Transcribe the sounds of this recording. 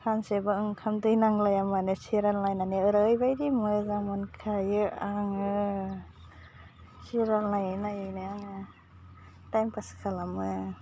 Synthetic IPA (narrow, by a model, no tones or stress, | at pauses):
kʰansebaɯŋkʰamdɯjnaŋlajamanesiɾalnajnaneɯɾajbajdimɯzamɯnkʰajɯaŋɯ | siɾalnajajnajɯnɯjaŋɯ | tajmpaskʰalamɯ